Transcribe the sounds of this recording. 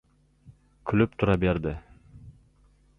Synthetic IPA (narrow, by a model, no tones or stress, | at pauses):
kʲʰylyp̚t̪ʰʊɾɑbeɾd̪ɪ